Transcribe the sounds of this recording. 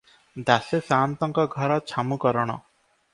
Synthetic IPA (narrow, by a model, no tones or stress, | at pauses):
d̪asesaːnt̪ɔŋkɔɡʱɔɾɔt͡ʃʰamukɔɾɔɽ̃ɔ̰